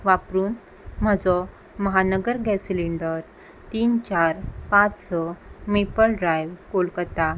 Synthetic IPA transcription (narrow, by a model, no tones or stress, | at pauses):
ʋapɾuːn | m̤əd͡zɔ | məɦanəɡəɾɡɛsiliɳɖəɾ | t̪iːnt͡ɕaɾpãt͡ssɔmepəlɖɾajʋkolkət̪a